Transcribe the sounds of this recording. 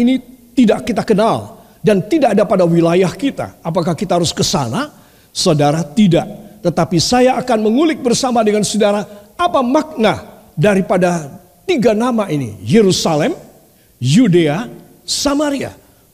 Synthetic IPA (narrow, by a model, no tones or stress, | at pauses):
init̪idaʔkːit̪akənal | dant̪idaʔadapadawilajahkit̪a̰ːpakahkit̪aɦaɾʊskəsa̰na | sadaɾat̪ida̰ʔt̪ət̪apisajaːkanməŋulɪk̚bərsamadəŋansudaɾaːpamak̚na | daɾipada | t̪iɡanamaʔinḭjeɾusalɛm | judea | samaɾia̰